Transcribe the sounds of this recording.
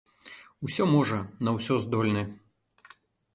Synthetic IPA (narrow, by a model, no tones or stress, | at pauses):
usʲɔmɔʐɐnɐwsʲɔzd̪ɔlʲnɐ